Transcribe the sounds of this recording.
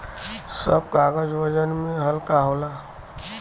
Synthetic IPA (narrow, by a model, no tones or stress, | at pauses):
səb̚kaɡəd͡ʒʋəd͡ʒənmĩɦəlkaɦola